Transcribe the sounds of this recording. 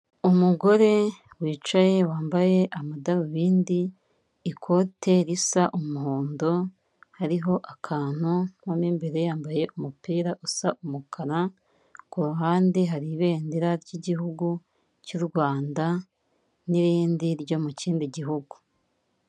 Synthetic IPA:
umuɡo̞ɾe̞ | wiːt͡ʃaje̞waːmbaje̞ʔamadaβuβiːndiː | kʰo̞tʰe̞ɾisaʔumuɦoːndo̞ | haɾiɦo̞ʔakʰaːn̥unwamimbeɾe̞jaːmbaje̞ʔumupiːɾaʔusaʔumukʰaɾa | kuɾaɦaːndiɦaɾiβe̞ːndiɾaɾɟiɟiɦuɡu | cuɾɡwaːnda | niɾiːndiɾɟo̞muciːndiɟiɦuɡu

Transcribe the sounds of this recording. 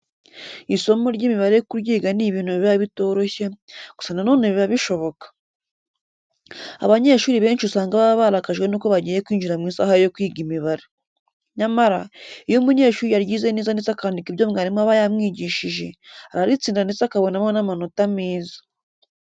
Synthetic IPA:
iso̞moɾɟimiβaɾejokuɾjiːɡaniβiːn̥uβiβiβaβito̞ːɾo̞çe̞ɡ̥u̥sananoːneβiβaβiʃo̞βo̞kḁ | a̰βaɲe̞ʃuːɾiβe̞ːnʃiusaːŋɡaβaβaβaɾakaʒɡwe̞nuːko̞βaɟiːje̞kwiːɲd͡ʒiɾamŋiːnsa̰ːhajo̞kwiːɡimiβaɾe | ɲamaɾaijomuɲe̞ːʃuːɾijaɾjiːze̞niːzanizakaɾandikiβɟoːmŋaɾimoaβajamŋiːɟiːʃiʒe̞aβaɾit͡siːndanit͡sakaβo̞namonamanotamiːzḁ

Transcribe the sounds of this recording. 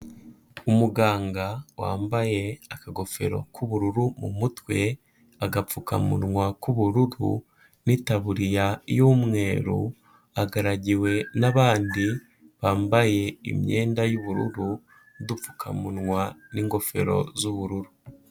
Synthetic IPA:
umuɡaːŋɡawa̰ːmbaje̞akaɡo̞fe̞̰ɾo̞̰kʰuβuɾuɾumṵmutwe̞ | aɡap͡fuka̰mṵɾŋwakuβuɾuɾṵ | nitaβuɾijajuːmŋe̞ːɾṵ | aɡaɾaɟiwe̞naβaːndi | βaːmbaje̞ḭmɲe̞ːndajuβuɾṵɾu | udup͡fu̥kʰa̰muɾŋwaniːŋɡo̞fe̞̰ɾo̞̰zuβuɾuɾu

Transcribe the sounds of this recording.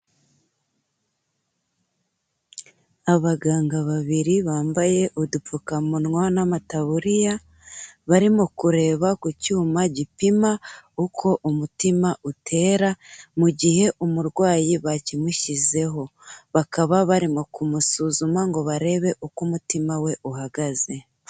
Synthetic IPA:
aβaɡaːŋɡaβaβiɾiβaːmbaje̞ʔudupukamunŋwanamataβuɾija | βaɾimokuɾe̞ːβakucuːmaɟipimaukʰo̞ʔumutimaʔutʰe̞ːɾamuɟihe̞ʔumuɾɡwaːjiβacimuʃize̞ɦo̞βakaβaβaɾimo̞kumusuːzumaŋɡo̞βaɾe̞βe̞ʔukumutimawe̞ʔuɦaɡaze̞

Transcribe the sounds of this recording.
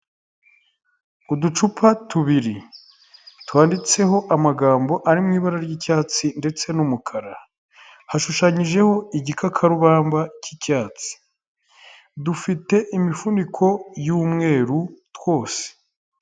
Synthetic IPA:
udut͡ʃupʰatuβiɾi | twaːndit͡se̞ɦo̞ʔamaɡaːmbo̞ʔaɾimŋiːβaɾaɾɟicaːt͡sinde̞t͡se̞numukʰaɾa | haʃuʃaɲiʒe̞ho̞iɟikʰakʰaɾuβaːmbacicaːt͡si̥ | dufite̞ʔimifundikʰo̞juːmŋe̞ːɾutwo̞ːse̥

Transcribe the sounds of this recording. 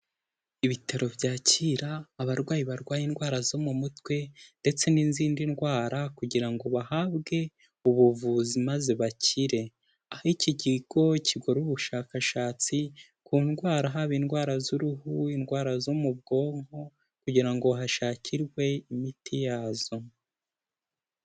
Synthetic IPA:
iβitʰaɾo̞bjaːciɾaːβaɾɡwaːjiβaɾɡwaːjinɡwaːɾazo̞mumutwe̞nde̞t͡se̞ninziːndinɡwaːɾakuɟiɾaŋɡo̞βahabɡe̞ | uβuvuzimaze̞βaciɾe̞ | ahaiciɟiɡo̞icʰiɡo̞ɾuβuʃaːkaʃaːt͡si | kuːnɡwaːɾaɦaβiːnɡwaːɾazuɾuhuinɡwaːɾazo̞mub̚ɡo̞ːŋho̞ | kuɟiɾaŋɡo̞ɦaʃaːcʰiɾɡwe̞imitʰijaːzo̞

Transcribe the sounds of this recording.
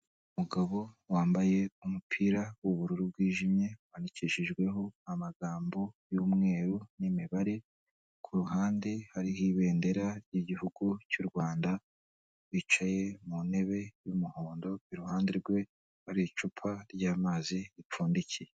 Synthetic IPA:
umuɡaβo̞waːmbaje̞umupʰiːɾawuβuɾuɾub̚ɡiːʒimɲe̞waniciʃiʒɡwe̞ɦo̞amaɡaːmbo̞juːmŋe̞ːɾunimiβaɾe̞ | kʰuɾuɦaːndehaɾihiβe̞ːnde̞ɾaɾɟiɟihuɡucuɾɡwaːnda | wit͡ʃaje̞mune̞βe̞jumuhoːndo̞iɾuhaːndeɾɡwe̞ | haɾit͡ʃupʰaɾɟaːmaːziip͡fuːndicije

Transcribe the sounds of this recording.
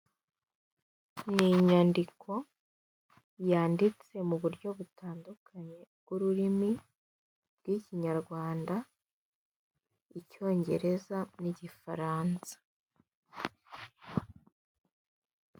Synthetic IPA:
niɲandikʰo̞ | jaːndit͡se̞muβuɾjo̞βutaːndukʰaɲe̞ɡ̥uɾuɾimi | bɡ̥wiːciɲaɾɡwaːnda | ico̞ːɲɟe̞ɾe̞zaniɟifa̰ɾaːnsḁ

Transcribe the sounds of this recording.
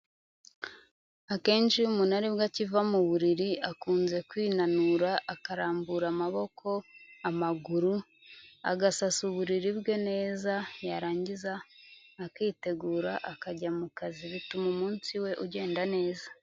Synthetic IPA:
ake̞ːnʃiumunaɾiβbɡacivamuβuɾiɾiakuːnze̞kwiːnanuɾaʔakaɾaːmbuɾamaβo̞kʰo̞amaɡuɾu | a̰ɡasasuβuɾiɾibɡe̞ne̞ːzajaɾaːɲɟizaː | kiːte̞ɡuːɾaʔakaɟamukaziβitumumuːnsiwe̞ʔuɟe̞ːndane̞ːza

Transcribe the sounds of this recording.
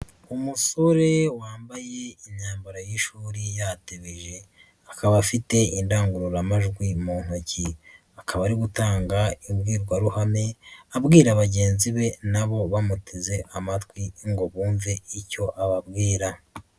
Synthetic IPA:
umuso̞ɾe̞waːmbaje̞iɲaːmbaɾajiʃuːɾijateβiʒe̞ | akaβafite̞indaːŋɡuɾoɾamaʒɡwimuːn̥hoci | akʰaβaɾiɡutaːŋɡaibɡiːɾɡwaɾuhame̞abɡiːɾaβaɟe̞ːnziβe̞naβo̞βamutʰeze̞ʔamatwiŋɡo̞βuːɱveico̞ʔaβab̚ɡiːɾa

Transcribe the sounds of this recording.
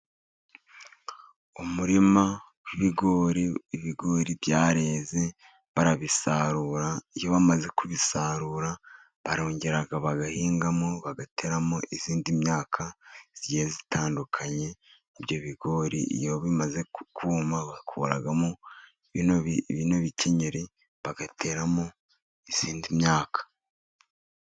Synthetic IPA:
umuɾima | kwiβiɡo̞ːɾiːβiɡo̞ːɾibjaːɾe̞ːze̞ | βaɾaβisaɾuːɾaijo̞βamaze̞kuβisaɾuːɾa | βaɾo̞ːɲɟe̞ɾaɡaβaɡahiːŋɡamoβaɡatʰe̞ɾamoʔiziːndimɲaːkʰaz̥iɟiezitʰaːndukʰaɲe̞ː | bɟo̞βiɡ̥o̞ːɾḭʔḭjoβimaze̞kʰumaβakʰṵɾa̰ɡamo | noβinoβiceɲeɾi | βaɡatʰe̞ːɾamo | iz̥iːndimɲaːkḁ

